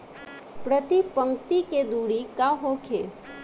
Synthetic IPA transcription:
pɾət̪ipəŋkt̪iked̪uɽikaɦokʰe

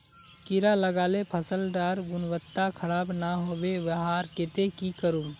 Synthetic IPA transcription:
kiɾaləɡaːlepʰəsəlɖaɾɡunʋət̪ːakʰəɽaːbnaɦobeʋəɦaɾket̪ekikəɾum

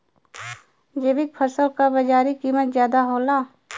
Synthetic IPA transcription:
d͡ʒeːbɪk̚pʰəɾsəlkabɐd͡ʒaːɾikiːmət̪zjaːd̪aɦoːlaː

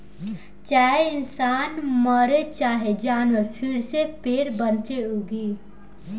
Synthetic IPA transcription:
t͡ʃaːɦeɪnsaːnməɾet͡ʃaːɦed͡ʒaːnəɾpʰɪɾsepeːɾbənt̪eɦoːɡiː

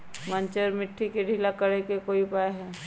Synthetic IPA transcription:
mə̃nt͡ʃəɾmɪʈʰːikeɖʱilakəɾekekoːipaːeɦɛː

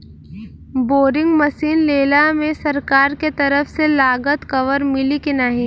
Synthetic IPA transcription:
boːɾɪ̃ŋɡmɐsiːnleːlamẽsɐɾkaːɾket̪ɐɾəfselaːɡət̪kɐʋəɾmɪlikinaɦĩ

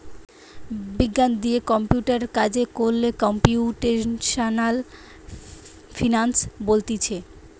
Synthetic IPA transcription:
biɡːand̪ijekɔmpiuʈaɾkad͡ʑekoɾlekɔmpiuʈeʃanal | finansbolt̪it͡ɕʰe

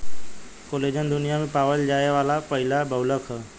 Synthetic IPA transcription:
koled͡ʒənd̪ʊnijamepaʋəld͡ʒajeʋalapəɦilabəwləkʰə

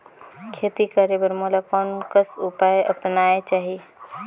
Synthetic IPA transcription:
kʰeːt̪ikəɾebəɾmolakɔːnkəsupaːjʔɐpnaːet͡ʃaːɦie

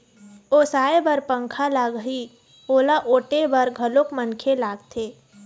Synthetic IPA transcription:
oːsaːebəɾpə̃ŋkʰalaːɡɦi | oːlaʔoːʈebəɾɡʱəlokmənkʰelaːɡt̪ʰeː

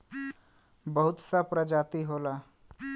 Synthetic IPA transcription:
bəɦʊt̪sapɾəd͡ʒaːt̪iɦoːla

